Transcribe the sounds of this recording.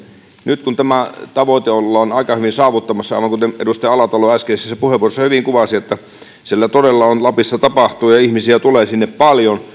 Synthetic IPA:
nyt̪kunt̪æmæt̪ɑʋoit̪eolːɑonɑikɑhyʋinsɑːʋut̪ːɑmɑsːɑɑ̰ˑiʋɑŋkut̪emedust̪ɑjɑɑlɑt̪ɑloæskeˑisːæsepuheʋˑuoˑresːɑhyʋiŋkuʋɑsiet̪ːæ | silːæt̪odelːɑonlɑpisːɑt̪ɑpɑht̪uːjɑihmisiæt̪uleːsinːeppɑljon

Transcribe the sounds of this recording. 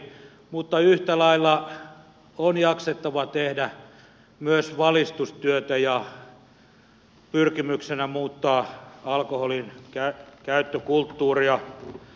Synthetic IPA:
mut̪ːɑyht̪ælɑilːɑ | onjɑkset̪ːɑʋɑt̪ehdæ | myøsʋɑlist̪ust̪yøt̪æjɑ | pyrkimyksenæmuːt̪ːɑːɑlkoholinkækæyt̪ːøkult̪ːuːriɑ

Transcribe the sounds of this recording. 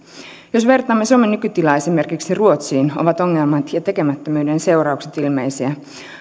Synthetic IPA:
jo̞sʋe̞rt̪ɑːmːe̞suomenːykyt̪ilɑe̞sime̞rkiksiruo̞t̪siːnoʋɑt̪o̞ŋːelmɑt̪jɑt̪e̞kemæt̪ːømyːde̞nse̞urɑukset̪ilme̞̰jsiæ

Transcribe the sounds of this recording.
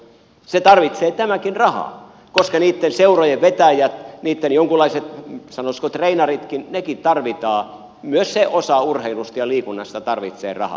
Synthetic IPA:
set̪ɑrʋit̪seːt̪æmækinrɑhɑ̰ | koskɑniːt̪ːenseurojeʋʋet̪æjæt̪niːt̪ːenjoŋkulˑːɑiset̪sɑnoskot̪reinɑrit̪kinnekitt̪ɑrʋit̪ɑː | myøsseʔosɑurheilust̪jɑliːkunːɑst̪ɑt̪ɑrʋit̪sḛːrɑ̰hɑ̰

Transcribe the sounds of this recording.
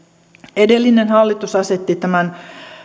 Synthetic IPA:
edelːinenhɑlːit̪usɑset̪ːit̪æmæn

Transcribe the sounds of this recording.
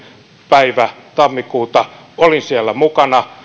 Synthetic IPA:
pæiʋæt̪ɑmːikuːt̪ɑ | olinsiælːæmukɑnɑ

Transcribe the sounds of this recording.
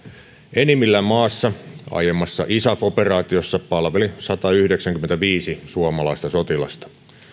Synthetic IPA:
ʔenimːilːæmɑːsːɑɑ̰jemːɑsːɑʔisæfo̞perɑːt̪iosːɑpɑlʋelisɑt̪ɑyhdeksæŋkyment̪æʋiːsisuomɑlɑist̪ɑso̞t̪ilɑ̰st̪ɑ̥

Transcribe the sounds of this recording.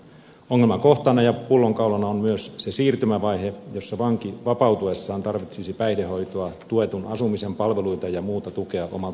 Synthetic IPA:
oŋːelmɑko̞ht̪ɑnːɑjɑpulːo̞ŋkɑulɑnɑommyøsse̞siːrt̪ymæʋɑjhe̞jo̞sːɑʋɑŋkiʋɑpɑuwt̪ue̞sːɑːnt̪ɑrʋit̪sisipæijhdeho̞jt̪oɑt̪ue̞t̪unɑsumise̞mpɑlʋe̞lujt̪ɑjɑmuːt̪ɑt̪uke̞ɑʔo̞̰mɑlt̪

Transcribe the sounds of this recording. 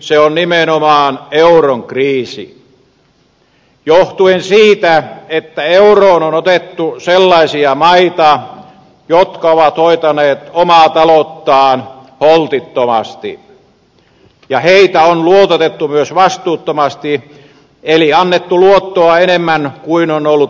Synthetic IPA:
seonnimenomɑːneuroŋkriːsḭ | joht̪uensiːt̪æet̪ːæeuroːnonot̪et̪ːuselːɑisiɑmɑit̪ɑ | jot̪kɑoʋɑt̪hoit̪ɑneːt̪omɑːt̪ɑlot̪ːɑːn | holt̪it̪ːomɑ̰st̪ḭ | jɑheit̪æonluot̪et̪et̪ːumyøsʋɑst̪uːt̪ːomɑst̪i | eliɑnːet̪ːuluot̪ːoɑenemːænkuinonolːut

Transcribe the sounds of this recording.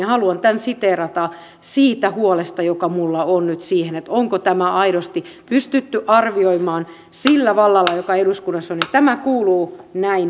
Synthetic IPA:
hɑluɑnt̪ænsit̪erɑt̪ɑ | siːt̪æhuolest̪ɑjokɑmulːɑonnyt̪siːhenet̪oŋkot̪æmæʔɑiɾost̪i | pyst̪yt̪ːyʔɑrʋioimɑːn | silːæʋɑlːɑlːɑjokɑeɾuskunːɑsːonet̪æmækuːluːnæin

